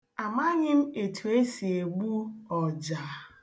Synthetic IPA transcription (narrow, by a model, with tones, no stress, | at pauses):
a˨ma˦ɲɪ˦m̩˦e˨tʰu˨e˦si˨e˨ɡ͡bu˦ɔ˨d͡ʒa˨